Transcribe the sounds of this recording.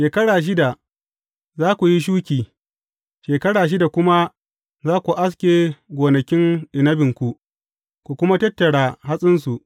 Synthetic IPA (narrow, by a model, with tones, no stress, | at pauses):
ʃeː˨kɐ˦ɽaː˨ʃ̬ɪ˦da˨ʔ | zaː˦kʷu˨ji˦ʃ̬uː˦kʲiː˨ | ʃeː˨kɐ˦ɽaː˨ʃ̬ɪ˦da˨kʷʊ˦ma˦ | zaː˦kʷu˨ʔa˦s̬kʲeː˨ɡʷoː˨nɐ˨kʲɪ˦ŋɗɪ˨nɐ˦bɪ˨ŋkʷu˨ʔ | kʷu˨kʷʊ˦ma˦tɐ˦tːɐ˨ɽa˨ɦa˦sʼɪ˦ns̬u˨ʔ